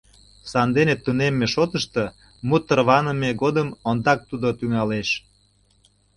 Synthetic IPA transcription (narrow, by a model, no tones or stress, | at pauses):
sɑnd̪enet̪ːunemːeʃot̪əʃt̪ə | mut̪ərβɑnəmeɣod̪əmond̪ɑk̚t̪ud̪ot̪yŋɑleʃ